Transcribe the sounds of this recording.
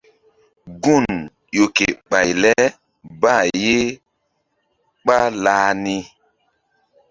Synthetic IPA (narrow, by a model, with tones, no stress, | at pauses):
ɡu˦˨n | jo˨ke˨ɓa˨jlɛ˦ | ba˦˨je˦ | ɓa˦laː˦ni˦